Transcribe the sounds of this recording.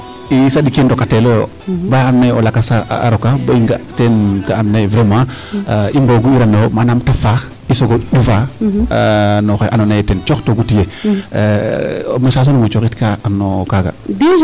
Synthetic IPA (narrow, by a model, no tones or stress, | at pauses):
isaɗikendokatelojo | baanːejolakasa̰a̰ɾokabaiŋɡatenkaanːevɾemã | imboɡuiɾanomanamtafax | isoɡoɗufa | noxeʔanonajetent͡ʃoxtoɡutije | mesas̬onumet͡ʃoxitkaanːokaɡa̰di